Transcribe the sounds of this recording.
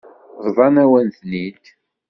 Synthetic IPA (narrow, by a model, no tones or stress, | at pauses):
ðˤvˤɑnæwænθnid̪